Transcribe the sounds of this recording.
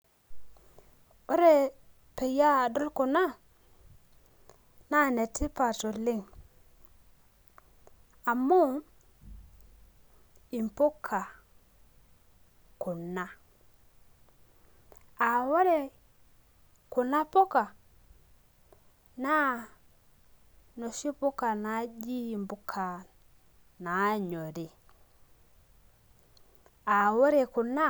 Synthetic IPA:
wo˦ɾe˦ | pe˨ja˦du˦lku˨na˦ | na˦˨ne˨tːi˦pa˨to˨li˦˨ŋ | a˨mːo˦ | i˨m˨po˦kʰːa˨ | ku˨na˦ | a˨wɔ˦ɾɛ˦ | ku˨na˦pɔ˦ka˨ | na˦ | nɔ˨ʃi˦pu˦ka˨na˨˦d͡ʒi˦i˨mbu˦kʰa˨ | na˨˦ɲɔ˨ɾɛ˨ | a˨wɔ˦ɾɛ˨ku˨na˦

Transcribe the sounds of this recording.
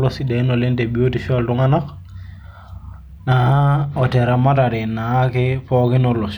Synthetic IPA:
lɔside˨˦nɔ˨le˦nte˨bi˨o˦tifiɔltʊ˦ŋa˦na˦k | na˨ɔ˨tɛ˨ɾa˨ma˦ta˨ɾi˨nːa˨˦kɪpɔkɪ˦nɔlɔs

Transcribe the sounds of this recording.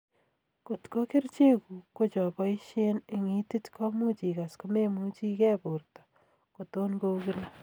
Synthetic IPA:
ko˨tko˦kɪ˦rt͡ʃe˦ku˨ko˦t͡ʃɔ˨pɔ˦i˦ʃe˦ne˨ŋi˦ti˦tkɔ˦mu˦t͡ʃi˨ka˨sko˦me˦mu˦t͡ʃi˦kɛ˦po˨rtɔ̥˨ | ko˨to˦nko˦ki˦la˦

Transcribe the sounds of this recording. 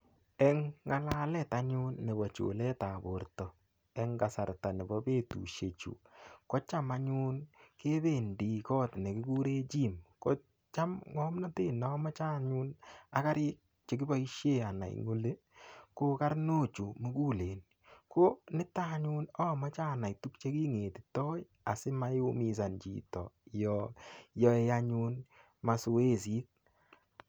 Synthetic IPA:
ɛ˦ŋːa˦la˦lɛ˦˨ta˦ɲu˦nːe˨bɔ˨t͡ʃo̰˨lɛ˦ta˨bo˨ɾtɔ˨ | ɛ˦ŋɡa˨sa˨ɾta˨ne˨bɔ˦be˦tṵ˨ʃje˨t͡ʃṵ˨kɔ˦t͡ʃa˦ma˦ɲu˦nke˦be˦˨ndi˨kɔ˦tne˨kɪ˦ku˦ɾe˦t͡ʃi˦mko˦ | t͡ʃa˦mŋɔ˦mnɔ˦te˦nɔ˦ma˦t͡ʃa˦˨ɲu˦na˨˦ka˦ɾɪ˦k̚ | t͡ʃe˨k̬i˦ba˦i˦ʃje˦a˨na̰˨ḭŋo˦le˦ | ko˦ka˦ɾno˦t͡ʃu˨mu˦kuː˦leː˨n | ko˦nɪ˦ta˦ɲu˦nɔ˦ma˦t͡ʃaː˦˨na˨itu˦kt͡ʃe˦ki˦ŋeː˨ti̥˨tɔ˦j | a˨sɪ˦ma˦ju˦mi˨s̬a˨nt͡ʃḭ˨tɔ̰˨jɔjɔ˦e˦˧a˦ɲu˦n | ma˨su˨e˦s̬i˦t̚

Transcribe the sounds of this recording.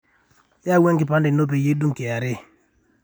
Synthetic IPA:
ja˦we˦ŋki˨pa˦ndi˨no˦p̬e˨je˦du˦ŋke˨a˨ɾɪ˦

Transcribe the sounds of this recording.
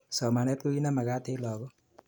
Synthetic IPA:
sɔ˨ma˨nɛ˦t̚ko˦i˦na˦ma˨ka˦te˦lɔ˨kɔ˦

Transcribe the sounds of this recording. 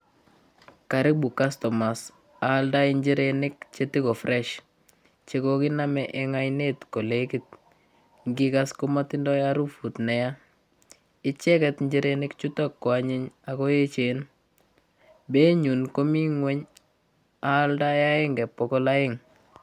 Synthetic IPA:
ka˨ɾɪ˦k̚bu˨ka˦stɔ˨ma˨s | a˨lda˦ɪɲd͡ʒi˦ɾenɪ˦k̚t͡ʃe˦ti˦kɔ˨frʔɛʃ | t͡ʃe˨kɔkɪ˦na˦mɛʔɛ˨ŋa˦jne˦tko˨lekit̚ | ŋɡɪka˦sko˦matɪ˦ndɔ˦jaɾu˦fu˨tnɛ˨ja˦ | ɪ˦t͡ʃɛ˦kɛtɲd͡ʒiɾenɪ˦kt͡ʃu˦ta˦kːɔ˨a˨ɲɪ˦ɲa˨kɔ˦je˦t͡ʃe˨n | be˦ɲu˨nko˦mi˦ŋwɛ˦ɲ | aː˦lda˦ja˦ɪ˦ŋɡɛ˨pːɔ˨kɔ˦la˦jɪ˦ŋ

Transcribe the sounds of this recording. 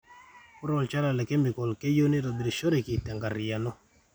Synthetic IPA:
ku˦ɾɔ˨lt͡ʃa˦la˨lɛ˨kɛ˦mi˨kɔ˨lkɛ˦jo˦ni˦ɾɔ˨bi˨ɾi˨ʃo˦ɾi˨ki˨tɛ˨ŋɡa˨ɾi˨ja˨nɔ˦

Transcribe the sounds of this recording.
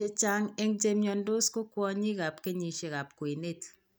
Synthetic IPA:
e˦t͡ʃa˦ŋe˦ŋ˦d͡ʒe˦mɲɔ˨n˦do˦sko˦kʷɔ˦ɲi˦ɣa˨p̚ke˦ɲi˨ʃe˨ɣa˨p̚kwe˨ne˦t

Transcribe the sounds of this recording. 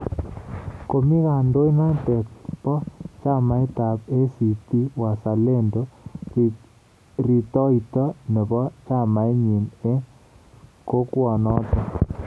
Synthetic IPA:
ko˨mi˦ɣa˨ndo˦i˦na˦tɛ˨tpɔ˦t͡ʃa˦ma˨e˦ta˨pe˦si˨ti˦wa˨sa˨le˦ndo˦ | ri˨tɔ˦i˨tɔ˦nɛ˨bɔ˦t͡ʃa˦ma˨e˦ɲi˨ne˦ | ko˦kwɔ˨nɔ˦tɔ˨

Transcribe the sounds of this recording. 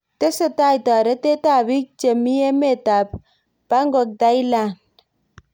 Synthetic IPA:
t̪e˦sə˦t̪a˦jt̪ɔ˨ɾe˦t̪e˦t̪a˨bi˦k̚t͡ʃe˨mi˦je˦me˦˨t̪a˨b̚ | ba˦ŋɡo˨k̚d̪a˦jla˨n

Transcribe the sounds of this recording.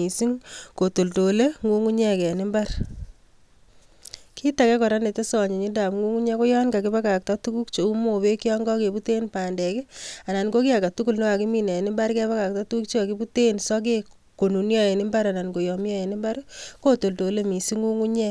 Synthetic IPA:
i˨si˦ŋko˨to˨lto˨le˦ŋu˦ŋu˦ɲɛ˦kɛ˨nɪ˦mba˦r | kʰi˦ta˨kɛ˦kɔ˨ɾa˦ne˨te˦sɔ˨ɲi˨ɲi˦nda˨mŋu˦ŋu˦ɲɛ˦ko˦jɔ˦nka˨kɪ˦ba˦ka˨k̚ta˦tu˦ku˦kt͡ʃo˨u˦mo˨we˦ki˦ɔ˦ŋɡɔ˦ke˨bu˦te˦npa˨ndɛ˨kɪ˦a˨na˨nɡo˦ki˦a˨ka˨tu˦ku˦lne˦a˨ki˦mi˦nɛ˨nɪ˦mba˦ɾkɛ˦βa˦ka˨k̚ta˦tuuk̚t͡ʃe˦a˨ki˦bu˦te˦nsɔ˦k̬e˦ | ko˨nu˨njɔ˦e˨nɪ˦mba˦ɾa˨na˨nko˨jɔ˨mjɔ˦e˨nɪ˦mba˦ɾko˦to˨lto˨le˦mi˨si˦ŋu˦ŋu˦ɲɛ˦

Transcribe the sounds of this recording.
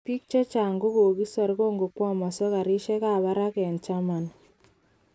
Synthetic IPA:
pi˦k̚t͡ʃɔ˦t͡ʃaː˨ŋɡo˦ko˨ki˦sa˨ɾko˦ŋɡo˨kwɔ˦mɔ˨sɔ˦ka˨ɾi˦ʃɛ˦ka˦˨βa˦ɾa˦kɛ˨nt͡ʃa˦ma˨n

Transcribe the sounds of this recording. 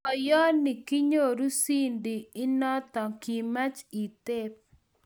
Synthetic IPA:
ɔ˨jɔ˦nɪ˨ki˦ɲo˦ɾu˦si˦ndɪ˨ɪ˦nɔ˦t̪ɔ˨ki˨ma˦t͡ʃi˨t̪e˦p̚

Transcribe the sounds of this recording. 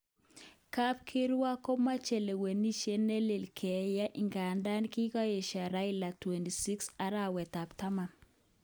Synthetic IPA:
ka˦p̚kʰi˦ɾwa˦ko˦ma˦t͡ʃe˨le˨we˨ni˦ʃe˦ne˦le˨lkʰɛ˨ja˦ʔi˨ŋɡa˨nda˦nki˦ka˦je˨ʃa˨ɾa˦i˦la˨twe˨ndi˨si˦ksa˨ɾa˦˨wɛ˨t̪a˨pta˦ma˨

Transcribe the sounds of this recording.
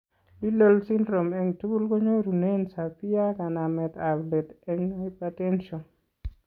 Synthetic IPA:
i˦lo˦lsi˦ndɾo˨mɛ˨ŋtu˦ɡu˦lko˦ɲo˦ɾu˨ne˦nsa˨pi˦a˦ka˨na˨mɛ˨t̪a˨ble˨t̪ɛ˦ŋo˦i˦pa˦tɛ˦nʃo˨n

